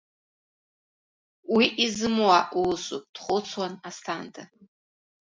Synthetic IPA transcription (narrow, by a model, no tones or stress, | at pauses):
wiʔizɨmwaʔulsʼupʼd̥χʷʊt͡sʰwanastʰantʰʼa